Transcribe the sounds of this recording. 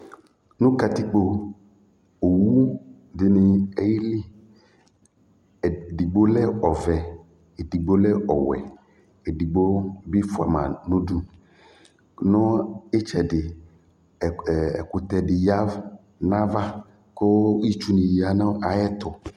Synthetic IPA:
nũ˦ka˨t̪i˦k͡po˨ | o˨wu˦ | dɪ˨nɪ˨e˦ji˦li˦˨ | di˨ɡ͡bo˦lɛ˦ɔ˨vɛ˨ | e˨di˨ɡ͡bo˦lɛ˦ɔ̰˨wɛ̰˨ | e˨di˨ɡ͡bo˦bi˦fʊ˨a̰˨mã˨nũ˦du˦ | nɔ̃˦e˦t͡ʃɛ˨dɪ˨ | ɛ̰˨kʊ˨t̪ɛ˨dɪ˨ja˦v | nã˦va˦ | ko˦i˦t͡ʃu˦nĩ˨ji˨a˨nã˦ʔa˨jɛ˦t̪ʊ˨

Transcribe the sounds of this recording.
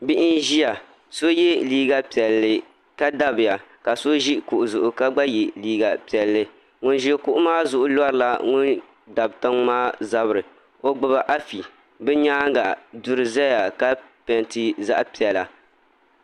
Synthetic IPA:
bi˦ʔɪ˦nʒi˦ja˨ | so˦je˦liː˦ɡa˦pi˨ɛ˨lːɨ˨ | ka˦da˦bɨ˨ja˨ka˨so˦ʒi˦ku˨ʔʊ˨zʊ˨ʔʊ˨ka˦ɡ͡ba˦je˨liː˦ɡa˨pi˨ɛ˨lːɨ˦ | ŋʊ˦nʒi˦e˦kʊ˦ʔʊ˦maː˦zʊ˨ʔʊ˨la˦ɾɨ˨la˨ŋʊ˦n | da˨bta˦ŋmaː˦za˦bɨ˨ɾɨ˨ | o˦ɡ͡bʊ˦βa˨ʔa˦fi˨ | bɛ˦ɲaː˦ŋɡa˨dʊ˦ɾɨ˨zɛ˦ja˨ka˦pɛ˨ntɨ˦za̰˦ʔpi˨ɛ˨la˨

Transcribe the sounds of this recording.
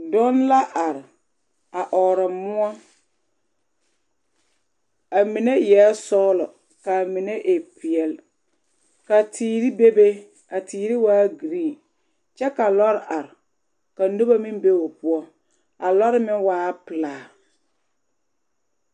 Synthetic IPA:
dɔ˦nla˦ʔa˨ɾɪ˨ | a˨ʔɔː˨ɾɪ˨mʊ˦ɔ˦ | a˨mi˨ne˦jɛ˨˦sɔː˦lɔ˨ | ka˨mi˨ne˦ʔe˨pɪ˨ɛ˨l | ka˨tʰiː˨ɾi˦be˦be˦ | a˨tiː˨ɾi˦waː˦ɡi˨ɾiː˦˨ | t͡ʃɛ˦ka˨lɔ˦ɾɪ˨ʔa˨ɾɪ˨ | ka˨nu˦ba˦mi˦m˦be˦o˨pʊ˦ɔ˦ | a˨lɔ˦ɾɪ˦mɪ˦waː˦pɨ˨laː˨

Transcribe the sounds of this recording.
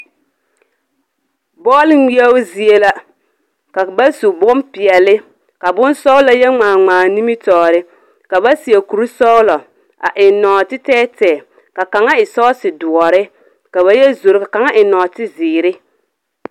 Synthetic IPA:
bɔː˦lɪ˦wi˦ɛ˦ʊ˦zi˦e˦la˦ | ka˨ba˦su˨bʊ˦mpɪ˨ɛ˨lɪ˦ | ka˨bʊ˦nsɔ˦la˦jɛ˦ŋaː˨ŋ͡maː˨ni˦mi˦tɔː˨ɾɪ˦ | ka˨ba˦si˨e˨ku˨ɾu˦sɔ˦ʊ˦lɔ˨ | a̰˨ʔɪ˨nɔː˨tɪ˦tɛː˦tɛː˨ | ka˨ka˨ŋa˦ɪ˨sɔ˦sɪ˨dʊ˨ɔ˨ɾɪ˦ | ka˨βa˦jɛ˦zo˨ɾɪ˨˦ka˨ka˨ŋa˦ʔɪ˨nɔː˨tɪ˦zɪː˨ɾɪ˦

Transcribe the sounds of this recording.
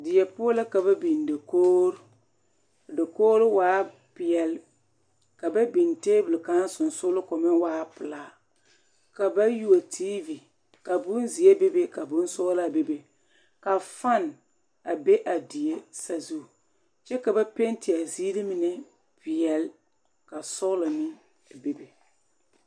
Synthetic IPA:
dɪ˨jɛ˨pʊ˦la˦ka˨ba˦bi˨n˨da˨koː˦ɾ | da˨koː˦ɾɪ˦waː˦ | pɪ˨jɛ˨l | ka˨ba˦bi˨nteː˦bʊ˨lɪ˨ka˦n˦sʊ˨n˨sʊ˦lʊ˦kɔ˨mɪ˦ŋwaː˦pɨ˨laː˦ | ka˨ba˦ju˦a˨tʰiː˦vi˨ | ka˨bʊ˦nzi˨e˦be˦be˦ka˨bʊ˦n˦sʊ˦la˦˨be˦be˨ | ka˨fa˦n˨ | a˨be˦ʔa˨di˨e˦sa˨zu˦˨ | t͡ʃɛ˦ka˨ba˦pe˦n˦tɪ˨a˨ziː˦lɪ˦mɪ˨nɛ˨ | pɪ˨jɛ˨l | ka˨sʊ˦ɣlɪ˨nɪ˦˨ | be˦be˨

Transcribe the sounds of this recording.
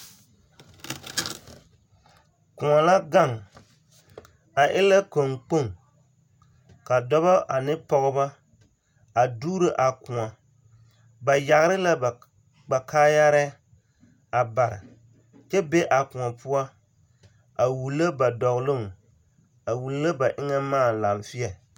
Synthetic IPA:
kʊ˨ŋa˨la˦ɡa˦˨ŋ | a˨ʔɪ˦la˦ko˨ŋk͡po˦˨ŋ | ka˨dɔ˦βɔ˦ʔa˨nɪ˦pɔ˦ɣɪ˦ba˦ | a˨duː˦ɾɪ˦ʔa˨kʊ˨ŋa˨ | ba˨ja˨ɣɪ˨˦ɾɪ˦la˦˨ | ɡ͡ba˨kaː˦ja˦ɾɛ˦ | a˨ba˨ɾɪ̰˨ | t͡ʃɛ˦be˦ʔa˨kʊ˨ŋa˨pʰʊ˦a˦ | a˨wu˨lːa˦ba˨dɔ˨ɣlʊ˦˨ŋ | a˨wu˨lla˦ba˨ʔɪ˦ŋɛ˦maː˦˨la˨mfɪ˦ɛ˨

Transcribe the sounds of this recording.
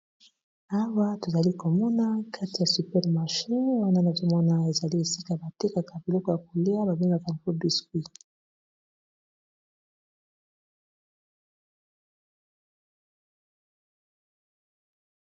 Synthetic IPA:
a˦wa˦to˨za˨li˦ko˨mɔ˦na˦kʰa˦ti˨ja˨sy˨pɛ˦ʁma˨ʃi˦nwa˦na˦˨na˨zo˦mɔ˦na˦e˨za˨li˦e˨si˦ka˨a˨ba˨te˦ka˨ka˨bi˨lɔ˦kɔ˨ja˨ko˨li˦a˦ba˨be˦ŋɡa˨ka˨a˨ko˦bi˦skwi˦

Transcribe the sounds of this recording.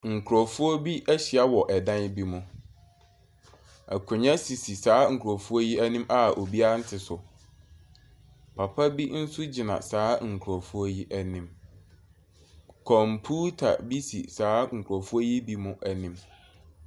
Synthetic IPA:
ŋ̩˨kʰɾɔ˨fu˦ɔ˦bi˦ʔæ˦ɕi˨a˦wɔ˨ʔɛ˨dã˦n˦bi˦mʊ̃˨ | æ̰˨kʰʊ̃˨ɲã˦si˨si˨saː˨˦ŋ̩˨kʰʊ˨ɔ˨fu˦ɔ˦ji˦æ˦nĩ˦mʔa˦˨ʔo˨bi˦a˦n̩˦tʰɪ˨sʊ˨ | pʰa˨pʰa˦bi˦n̩˦sʊ˦d͡ʑi˨nã̰˨saː˨˦ŋ̩˨kʰɾɔ˨fu˦ɔ˦ji˦ʔæ˦nĩ˦m | kʰɔ̃˨mpʰuː˦tʰa̰˨bi˦sḭ˨saː˨˦ŋ̩˨kʰʊ˨ɾɔ˨fu˦o˦ji˦bi˦mʊ̃˦ʔæ˨nĩ˦m

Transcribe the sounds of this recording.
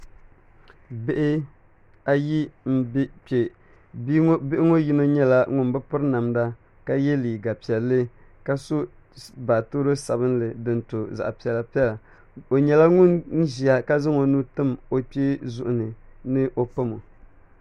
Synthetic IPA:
be˦ʔɪ˦ | a˦ji˦m̩˦pe˨˦ | bɪ˦ʔɪ˦ŋo˦ji˦no˦ɲɛ˦la˦ŋʊ˦nbɨ˦pʊ˦ɾna˨mda˦ | ka˦jɛ˦liː˨ɡa˨pi˨ɛ˨lːɨ˦ | ka˦so˦ | baː˨to˦ɾo˦sa˨bɨ˦nlɨ˨dɨ˨n˦to˨za̰˨ʔpi˨ɛ˨la˨pi˦ɛ˦la˨ | o˨ɲɛ˨la˦ŋʊ˦nn˦ʒi˨a˦ka˦zɨ˦ŋo˨˦nuː˦tɨ˦mo˨pe˦zʊ˦ʔʊ˨nɨ˨nɨ˦ʔo˦pa˦mo˨

